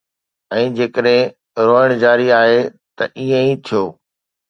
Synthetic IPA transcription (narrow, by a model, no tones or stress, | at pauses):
ɛ̃ːd͡ʑeːkəɗɦɪ̃ | ɾoːəɽ̃d͡ʑaːɾiaːɦe | t̪ɐ̰ʔiːə̃ĩt̪ʰijoː